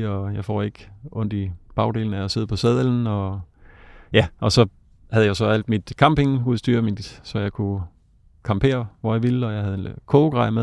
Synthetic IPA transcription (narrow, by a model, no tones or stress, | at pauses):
ɒ̽jɑ̈ɪfɒ̰ːe̝ɡ̥ɔ̽n̰d̥ib̥ɑ̈ʊd̥e̝̰ːln̩æase̝ð̞̰ˠpʰɒ̽sɛð̰ˠeln̩ɒ̽ | jæʔɒ̽sɒ̽ | hæðˠjasɒ̽æl̰d̥mid̥kʰɑ̈mb̥e̝ŋuð̩ˠsd̥y̰ːɐmid̥sɒ̽jɑ̈ɪkʰu | kʰɑ̈mpʰe̝̰ːɐʋɒjɑ̈ʋilɒ̽jɑ̈ɪɦæðˠkʰoːɡ̥ʁɑ̈ɪ̰me